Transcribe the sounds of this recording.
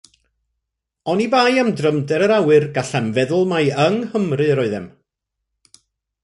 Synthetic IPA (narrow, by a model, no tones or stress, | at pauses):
ɔnibaːjəmdrəmdɛɾəɾawɨrɡaɬamvɛðʊlˠmajəŋhəmrɨɾɔɨðɛ̰m